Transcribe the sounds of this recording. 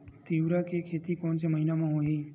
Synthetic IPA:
t̪iʋɾakekʰet̪ikɔɳt͡ʃeməɦinamãɦoi

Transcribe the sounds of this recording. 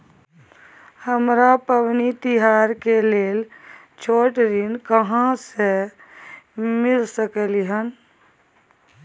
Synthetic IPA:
həmɾapəʋnit̪iɦaːɾkeleːl | t͡ʃʰoːʈɾinkəɦãse | mɪlsəkəliɦən

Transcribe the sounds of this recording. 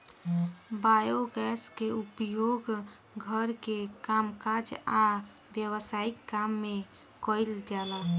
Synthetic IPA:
bajoɡɛskeupjoɡ | ɡʱəɾkekamkad͡ʒa | bjəwəsaikːamːe | kəjld͡ʒala

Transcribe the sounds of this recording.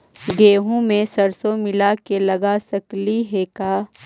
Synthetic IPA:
ɡeːɦũmẽsɐɾsõmɪlakelɐɡasɐkliɦɛkaː

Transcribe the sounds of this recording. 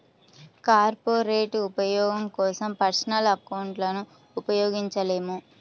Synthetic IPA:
kaːɾpoːɾeːʈupɐjɔːɡɐmkɔːsɐmpɐɾsɐnɐlɐkɐwɳʈlɐnuː | pɐjɔːɡiɲt͡ʃɐle̞ːmu

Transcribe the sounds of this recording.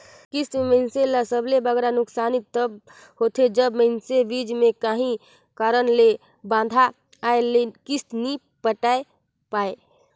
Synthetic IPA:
kist̪məɪnselasəblebəɡɾanʊksanit̪ːəb | ɦot̪ʰed͡ʒəbməɪnsebid͡ʒmẽkaɦĩ | kaɾənle | bãnd̪ʱaː | elekist̪ni | pəʈae | pae

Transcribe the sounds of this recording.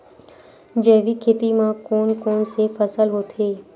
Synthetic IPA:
d͡ʒəːʋikʰeːt̪imãkoːnkoːnsefəsəlɦoːt̪ʰeː

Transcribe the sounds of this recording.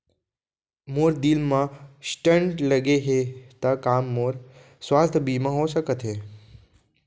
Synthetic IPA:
moːɾd̪ilmãsʈə̃ɳʈləɡeɦet̪akaːmːoːɾ | swaːst̪ʰbiːmãɦosəkət̪ʰɦeː

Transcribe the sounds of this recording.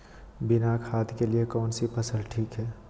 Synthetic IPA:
bɪnakʰaːt̪keliekɔːnsipəsəlʈʰiːkɦɛː

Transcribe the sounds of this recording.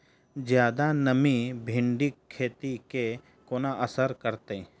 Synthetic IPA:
d͡ʒjaːd̪anəmĩbʱɪ̃ɳɖɪkʰːeːt̪ike | koːnaʔəsəɾkəɾt̪e

